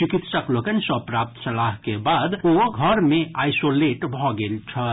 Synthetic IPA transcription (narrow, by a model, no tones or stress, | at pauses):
t͡ʃikit̪səklokənsɔpɾap̚t̪səlaɦkebad̪oɡʱʌɾmẽajsoleʈbʱɔɡelt͡ʃʰʌ